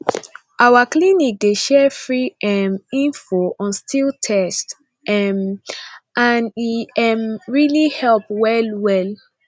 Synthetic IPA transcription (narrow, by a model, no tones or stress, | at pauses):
ʔawaklinik̚deʃɛfɹiɛmĩnfoʔɔ̃nstiltʰɛst | ʔɛm | ʔãniɛmɹilihɛlpwɛlwɛl